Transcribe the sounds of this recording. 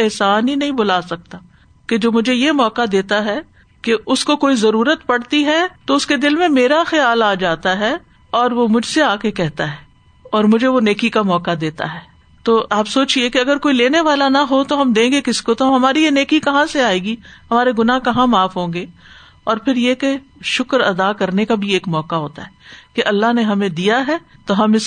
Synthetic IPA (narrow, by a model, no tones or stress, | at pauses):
ɪɦsaːnɦinɐɦĩbʊlaːsɐk̚t̪a | ked͡ʒoːmʊd͡ʒʱejemɔːkad̪eːt̪aɦɛː | keʔʊskokoːizɐɾuːɾət̪pɐɽt̪iɦɛt̪oʊsked̪ɪlmẽmeːɾaxɐjaːlaːd͡ʒaːt̪aɦɛ | ɔːɾʋomʊd͡ʒʱseaːkekɛɦt̪aɦɛː | ɔːɾmʊd͡ʒʱeʋoneːkikamɔːkad̪eːt̪a̰ɦɛː | t̪oːʔaːpsoːt͡ʃiekeɐɡəɾkoːileːneʋaːlanɐɦot̪oɦɐmd̪ẽːŋɡekɪskot̪oɦmɦɐmaːɾijeneːkikɐɦãseaːeːɡihɐmaːɾeɡʊnaːɦkɐɦãmaːfɦõːɡeː | ɔːɾpʰɪɾjekeʃʊkɾɐd̪akɐɾnekabʱieːkmɔːkaɦoːt̪a̰ɦɛːkeʔɐlːaɦneɦɐmẽd̪ijaɦɛːt̪oɦɐmɪs